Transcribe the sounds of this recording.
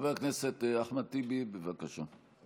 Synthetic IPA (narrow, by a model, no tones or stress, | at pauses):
veakneset̪aχmat̪ibibevakaʃa